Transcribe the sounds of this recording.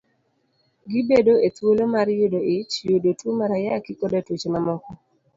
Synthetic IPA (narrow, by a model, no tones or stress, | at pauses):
ɡibedoetwolomaɾjodoɪt͡ʃjodotwomaɾajakikodatut͡ʃmamɔkɔ